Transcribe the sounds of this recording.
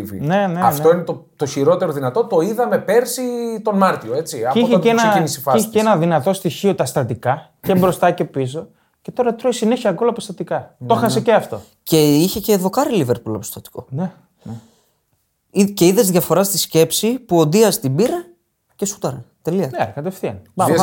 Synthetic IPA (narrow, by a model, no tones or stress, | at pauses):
vḭne̞neɐnft̪oinet̪o | t̪oçiɾo̞t̪e̞ɾoðinɐt̪o̞t̪o̞iðɐme̞pe̞ɾsit̪o̞nmɐɾt̪io̞e̞t͡siɐiçeenɐinisifɐiçeeenɐðinɐt̪o̞st̪içio̞t̪ɐst̪ɐt̪ikɐ | cebɾo̞st̪ɐce̞pis̬o̞ | ce̞t̪o̞ɾɐt̪ɾo̞isine̞çiɐɡo̞lɐpo̞st̪ɐt̪ikɐt̪o̞xɐseceɐft̪o̞̰ | ce̞içe̞ce̞ðo̞kɐɾiliveɾpulɐ̰post̪ɐt̪i̥ko̞ne | ice̞iðe̞zðʝɐfo̞ɾɐst̪isce̞psipuo̞nd̪iɐst̪ibiɾɐ | cesu̥t̪ɐɾɐt̪e̞liɐnekɐt̪e̞fθiɐ̰n